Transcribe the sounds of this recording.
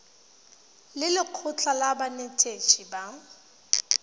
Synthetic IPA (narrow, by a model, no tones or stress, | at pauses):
lɪlɪq͡χʰʊt͡ɬʰʼalabanetʰʼet͡ʃʰʼiba